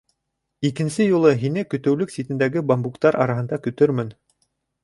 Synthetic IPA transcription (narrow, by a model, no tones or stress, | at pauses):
ikɘ̆nsɘjulˠɤɦinɘkɵ̆t̪ɵ̆wlɵksʲit̪ɘ̆nd̪æɡɘbambukt̪ɑɾʔɑ̰ɾɑɦɤ̆nd̪ɑkɵ̆t̪ɵɾmɘn